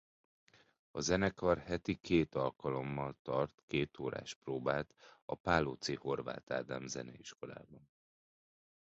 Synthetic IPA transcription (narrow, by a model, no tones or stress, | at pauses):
ɒzɛnɛkɒrhɛt̪ikʰeːt̪ɒlkɒlo̞mːɒlt̪ɒrt̪keːt̪oːɾa̰ːʃproːbaːlt̪ɒ̰paːlot̪siho̞rva̰ːt̪a̰ːd̪aːmzɛnɛiʃko̞la̰ːbɒn